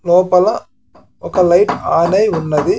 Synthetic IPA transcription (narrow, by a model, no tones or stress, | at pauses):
noːpɐlɐ̃ | ɔkːɐlɐɪʈaːnɐɪʊnːɐðɯ